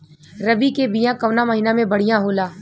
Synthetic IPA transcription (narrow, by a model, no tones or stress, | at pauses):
ɾɐbikebijãkɐʋnamɐɦiːnamẽbɐɽ̤ijãɦoːlaː